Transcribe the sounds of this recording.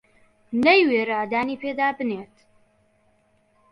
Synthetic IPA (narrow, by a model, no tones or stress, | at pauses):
nɐjweːɾaːd̪aːniːpʰeːd̪aːbɨneːt̪